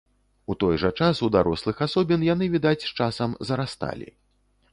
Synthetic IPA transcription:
ut̪ɔjʐɐt͡ʂasud̪aɾɔslˠɨxasɔbʲinjanɨvʲid̪at͡sʲʂt͡ʂasɐmzɐɾast̪a̰lʲḭ

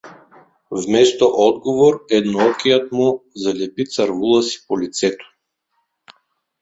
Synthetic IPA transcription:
vmɛst̪ɔʔɔd̪ɡɔvɔɾɛd̪nɔɔkijat̪muzalɛpit̪saɾvulˠasi̥pɔlit̪sɛt̪ɔ̥

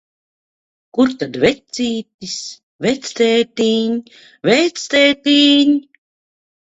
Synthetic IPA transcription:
kuɾt̪ad̪vɛt̪siːt̪is | vɛt̪st̪eːt̪iːɲ | vɛjt̪st̪eːt̪iːɲ

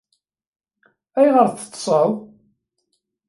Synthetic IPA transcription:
æjʁəɾθə̥t̪ˤːsˤəw

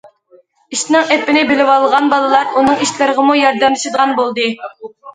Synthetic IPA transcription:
iʃnɪŋɛpːɪnɪbɪlɪwɑlˠʁɑnbɑlˠəlˠɑɾunɨŋiʃlɪɾəʁəmujɑɾd̪ɛmlɪʃɨd̪əʁɑnbolˠd̪ɨ

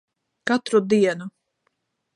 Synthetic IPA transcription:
kat̪ɾud̪iɛnu

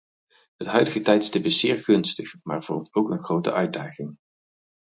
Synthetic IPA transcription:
ɦətɦœɥdəɣətɛjtstəpɪsz̥ɪːɹχɵnstəχmaːɹv̥ɔ̰ɹmtowkənχrowtə̰ʔœɥt̚daːχɪŋ

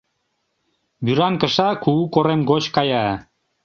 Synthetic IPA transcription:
byɾɑŋkə̆ʃɑkuukoɾemɡot͡ɕkɑjɑ

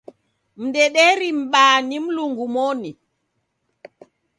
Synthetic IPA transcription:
m̩dɛɗɛɾim̩ɓanim̩luŋɡumɔni

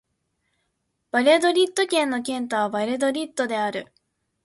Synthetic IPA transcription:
b̥aɾʲed̪o̞ɾʲit̪ːo̞kʲẽ̞nːo̞k̬ʲẽ̞nt̪oβabaɾʲed̪o̞ɾʲit̪ːo̞d̪e̞aɾɯ̟

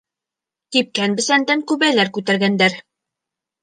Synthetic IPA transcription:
t̪ip̚kænbɘ̆sænd̪æŋkʉβælæɾkʉt̪æɾɡænd̪æɾ

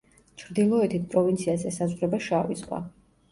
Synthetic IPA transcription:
t͡ʃʰɾd̪ilˠɔɛt̪ʰit̪̚ʰpʼɾɔvint̪sʰiazɛsazʁɾɛbaʃavḭsχʼwa̰

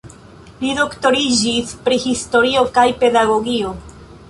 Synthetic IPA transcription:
lido̞kto̞ɾid͡ʒispɾihisto̞ɾio̞kajpe̞daɡo̞ɡio̞

